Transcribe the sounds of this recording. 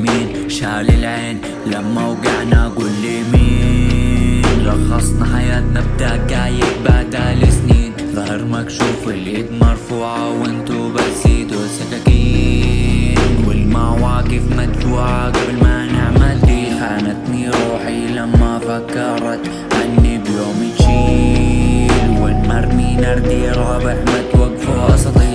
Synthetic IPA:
miːn | ʃaːlɪlʕeːn | lamːawɡaʕnaɡuːlːemiː | lɑxɑsˤnaħajaːt̪nab̚d̪aʔɡaːjɪb̚baʕd̪alɪsniːnðˤɑhɪɾmakʃuːfɪlʔiːb̪mɑɾˤfuːʕawʔɪnt̪ubat̪siːt̪usakakij | nwɪlmawaːɡɪfmat̪fuːʕaɡablmanɪʕmald̪iħaːnat̪niɾˤuːħilamːafakːɑɾˤɑt̪ | ʕanːibloːmit͡ʃi | nwɪlmaɾˤninɑɾˤd̪iɾˤɑːbɪħmat̪waɡfuʔɑsˤli

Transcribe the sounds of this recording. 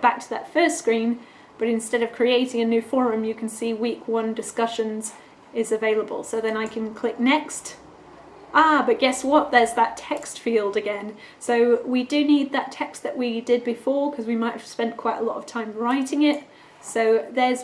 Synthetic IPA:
b̥æk̚tʰəðə̰tfɜˑ˞stskɹĩn | b̥ʌɾɨ̃nstɛɾʌv̥kʰɹ̥ieɪɾɪ̃ŋɨnʉfɔɹɨ̃mjɨkʰn̩siwikʰwʌ̃ndɨskʌʃɨ̃nz | ɪzɨveɪlˠəbə̰lˠsoʊðɨ̃naɪkʰɨ̃nkʰl̥ɪk̚nɛkst | ʔɑbʌʔ̚ɡ̥ɛswʌt̪̚ðə˞zðətʰɛkstfilˠdɨɡɛ̃n | soʊwidɨnid̪̚ðətʰɛkst̪̚ðɨʔwidɪd̚bɨfɔɹkʰʌzwimaɪthɨv̥spɛ̃nkʰw̥aɪɾə̰lɔ̰ɾə̰v̥tʰãɪ̃mɹaɪɾɪ̃ŋɪt̚ | soʊðə˞z

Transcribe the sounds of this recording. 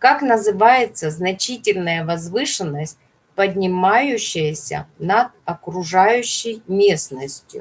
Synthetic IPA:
kaknəzɨvajɪt̪səznɐt͡ɕitʲɪlʲnəjəvɐzvɨʂɨnːəsʲt̚ʲ | pədʲnʲɪmajʉɕːɪjəsʲə̰nɐd̪̚ɐkɾʊʐajʉɕːɪjmʲesnəsʲtʲjʊ̰

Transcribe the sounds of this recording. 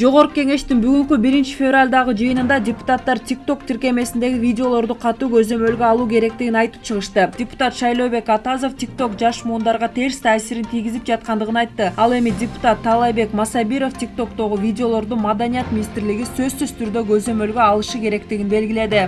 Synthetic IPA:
d͡ʒo̞ʁo̞ɾquke̞ŋe̞ʃtt̪inbyɡyŋkybiɾint͡ʃi̥fʲevralʲd̪ɑʁɯd͡ʒɯjɯnɯnd̪ɑdʲɪpu̥t̪at̪ːɑɾt̪ʲik̚t̪o̞kt̪ʰiɾke̞me̞sind̪e̞ɡivʲidʲɪo̞lˠo̞ɾd̪uqʰɑt̪uːɡø̞zø̞mø̞lɡøɑlˠuːke̞ɾe̞k̚t̪iɡinɑjt̪ɯp̚t͡ʃʰɯʁɯʃt̪ɯd̥ʲɪpu̥t̪at̪ʃɑjlˠo̞be̞kɑt̪ɑzo̞ftʲik̚t̪o̞kd͡ʒɑʃmuːnd̪ɑɾʁɑt̪ʰe̞ɾst̪ʰaːsiɾint̪ʰijɡizip̚d͡ʒɑt̪̚qɑnd̪ɯʁɯnɑjt̪ːɯɑlˠe̞midʲɪpu̥t̪at̪ʰːɑlˠɑjbe̞kmɑsɑbiɾo̞ft̪ʲik̚t̪o̞kt̪o̞ʁuvʲidʲɪo̞lˠo̞ɾd̪umɑd̪ɑnijat̪̚minʲist̪ɪɾliɡisø̞zsyzt̪ʰyɾd̪ø̞ɡø̞zø̞mø̞lɡøɑlˠɯʃɯke̞ɾe̞kt̪iɡʲinbe̞lɡʲile̞d̪ɪ

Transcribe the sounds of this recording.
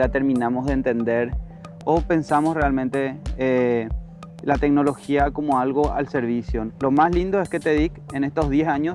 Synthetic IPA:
ɾat̪e̞ɾmĩnamozðeːnt̪e̞nd̪eɾ | ope̞nsamosrealmẽnt̪e̞e | lat̪e̞k̚no̞lo̞xiakomoalɣo̞a̰lse̞ɾβisjo̞lo̞maslind̪oeske̞t̪e̞ðikene̞st̪ozðjesaɲos

